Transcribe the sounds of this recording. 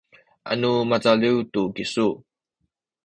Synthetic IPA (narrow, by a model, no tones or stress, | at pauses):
ʔa̰numat͡saliwtukisu